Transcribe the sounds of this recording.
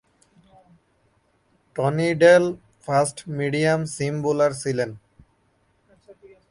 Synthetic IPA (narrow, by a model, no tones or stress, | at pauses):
ʈɔniɖel | pʰasʈmiɖiãmsimbulaɾsilen